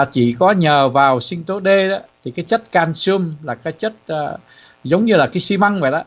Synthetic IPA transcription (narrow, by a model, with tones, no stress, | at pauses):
a˨˩t͡ɕi˧˩˨kɔ˨˦ɲəː˨˩vaː˨˩wsï˧ŋt̪o˨˦ɗe˧ɗɔ˨˦t̪ʰi˨˩kaː˨˦jt͡ɕə˦˥t̚kaː˧nsɨ˧əmlaː˨˩kaː˨˦jt͡ɕə˦˥t̚ː | zə˨˦wŋ͡mɲɨ˧laː˨˩kaː˨˦jsi˧ma˧ŋva̰˧˨ɗa˨˧˦